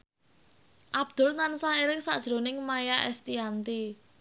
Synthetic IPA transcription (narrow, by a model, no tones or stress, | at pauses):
ʔab̥̚d̪̥ʊ̤lnansaɦeɾɪksa̰ʔd̥ʒ̥ɾo̤nɪŋmajaʔɛ̰st̪iant̪i